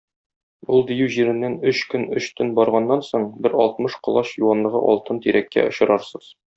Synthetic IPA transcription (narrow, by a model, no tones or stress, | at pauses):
ulˠd̪ijʉwʑiɾɘ̆nːænɵɕkɵnɵɕt̪ɵnbɒɾʁɑnːɑnsoɴbɘɾɒlˠt̪̚mɤʃqŏlˠɑɕjuwɑnlˠɤ̆ʁɤ̰ʔɒlˠt̪ɤnt̪iɾækːæ̰ŏɕɤ̆ɾɑɾsɤz̥